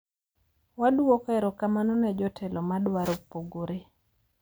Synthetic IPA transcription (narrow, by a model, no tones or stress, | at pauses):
waduokɛɾokamanɔnɛd͡ʒɔtʰɛlʔɔmadwaɾopoɡoɾe